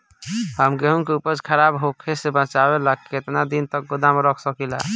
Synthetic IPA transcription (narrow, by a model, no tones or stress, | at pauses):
həmɡeɦuŋkeupəɾd͡ʒkʰəɾabɦokʰesebət͡ʃabelakkːet̪nad̪int̪ək̚ɡud̪amɾəkʰsəkila̰